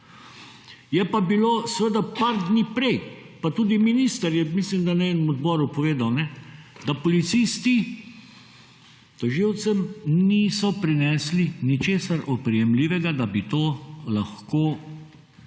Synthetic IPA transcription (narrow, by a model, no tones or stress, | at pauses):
jɛpabiloːsʋəd̪apaɾd̪niːpɾɛjpat̪uːd̪iminist̪əɾjɛmislimd̪aneːnɛmɔd̪bɔɾupɔʋeːd̪awnɛd̪apɔlit̪siːst̪i | t̪ɔʒiwt̪sɛmniːsɔpɾinɛːslinit͡ʃeːsaɾɔt̪̚pɾɛjɛmliːʋɛɡad̪abit̪oːlaxkoː